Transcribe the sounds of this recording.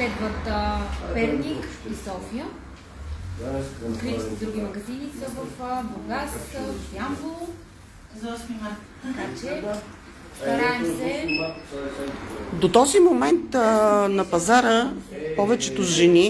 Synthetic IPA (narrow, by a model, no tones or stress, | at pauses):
pɛd̪vəɾt̪əpɛɾnikisɔfijə | ot̪kɾit̪isɛd̪ɾuɡ̟imɐɡɐzinisəvəfboɡask̪əvfiambulˠ | t̪ɐkat͡ʃɛ | sɐɾaɛmssɛ | d̪ot̪ɔzimomɛnt̪nɐpɐzaɾəpɔvɛt͡ʃɛt̪ozʒɛni